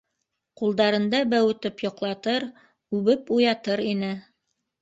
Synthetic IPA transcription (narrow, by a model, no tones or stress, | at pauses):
qulˠd̪ɑɾɤ̆nd̪ɑbæwɘ̆t̪ɘpjŏqlˠɑt̪ɤɾ | ʉβɘpujɑt̪ɤɾinɘ